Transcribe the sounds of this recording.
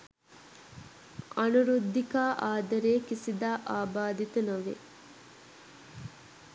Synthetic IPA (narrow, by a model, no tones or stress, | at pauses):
ɐnuɾud̪ʱːikaːʔaːd̪ɐɾeːkisid̪aːʔaːbaːd̪it̪ɐnoʋḛ